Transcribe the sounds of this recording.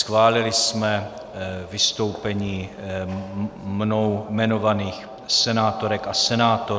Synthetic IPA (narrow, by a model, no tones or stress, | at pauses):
sxvaːlɪlɪsmɛ | vɪst̪o̞wpɛɲiː | mnowmɛno̞vaniːx | sɛnaːt̪oɾɛkasɛnaːt̪o